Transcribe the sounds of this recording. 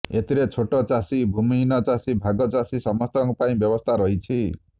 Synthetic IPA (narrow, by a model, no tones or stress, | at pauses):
et̪iɾet͡ʃʰoʈɔt͡ʃasibʱuminɔt͡ʃasibʱaɡɔt͡ʃasisɔmɔst̪ɔŋɔpaĩbjɔbɔst̪ʰaɾɔɦit͡ʃʰi